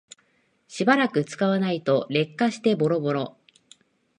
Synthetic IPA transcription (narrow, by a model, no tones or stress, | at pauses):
ɕibaɾakɯ̟t͡sɨ̥kaβanait̪o̞ɾe̞kːaɕi̥t̪e̞bo̞ɾo̞bo̞ɾo̞